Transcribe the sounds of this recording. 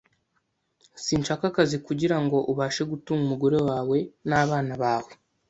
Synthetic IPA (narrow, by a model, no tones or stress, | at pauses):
siːnt͡ʃakakazikuɟiɾaŋɡo̞ʔuβaːʃe̞ɡutumumuɡo̞ɾe̞waːwe̞naːβaːnaβaːwe̞